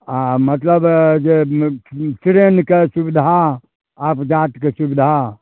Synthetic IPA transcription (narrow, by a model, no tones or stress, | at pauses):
amɐt̪ləbd͡ʒe | sɾeːnkesubɪd̪ʱa | aːpd͡ʒaːt̪kesubɪd̪ʱa